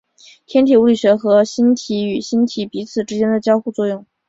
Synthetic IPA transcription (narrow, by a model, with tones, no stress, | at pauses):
t̪ʰjɛ˥nt̪ʰi˨˩u˧˥li˨˩ɕɥɛ˧˥xɤ˧˥ɕi˥nt̪ʰi˧˥y˨˩ɕi˥nt̪ʰi˧˥pi˧˥t͡sʰɹ̩˨˩ʈ͡ʂɻ̩˥t͡ɕjɛ˥nd̪ə˨t͡ɕjɑ˥ʊxu˥˧t͡swɔ˥˧jʊ˥˩ŋ